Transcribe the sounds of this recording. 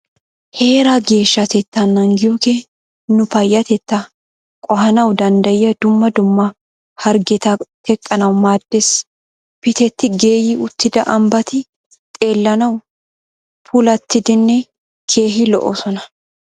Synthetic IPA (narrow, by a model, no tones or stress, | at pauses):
he̞ːɾaɡe̞ːʃːɐt̪ɛt̪ːɐnːɐŋɡɪjɔke | nʊpɐjːɐt̪ɛt̪ːɐ | kʼɔɦɐnɐwd̪ɐnd̪ɐjɪjɐd̪ʊmːɐd̪ʊmːɐ | hɐɾɡɛt̪ɐt̪ɛkʼːɐnɐwmaːd̪̥ːes | pɪt̪ɛt̪ːɪɡe̞ːjɪʊt̪ːɪd̪ɐʔɐmbɐt̪ɪ | t̪ʼe̞ːlːɐnɐw | pʰʊlɐt̪ːɪd̪ɪnːɛ | kʰe̞ːɦɪlɔ̰ʔɔ̰sɔnɐ